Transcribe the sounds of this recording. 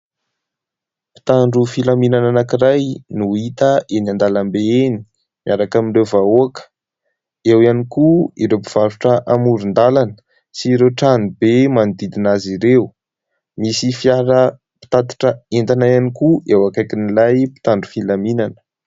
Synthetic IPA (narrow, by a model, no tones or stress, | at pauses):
pi̥t̪aɳɖ͡ʐufilaminananakiɾajnuit̪əʔenand̪alambeeni̥ | miaɾakamiɳrewvaoakə̥ | ewianikuiɾewpiv̥aɾuʈ͡ʂəʔamuɾund̪alanə̥ | siɾewʈ͡ʂanibemanid̪id̪inaziɾew | misifjaɾə | pi̥t̪at̪i̥ʈ͡ʂəent̪anajanikuewakajkinilajpi̥t̪aɳɖ͡ʐufilaminanə̥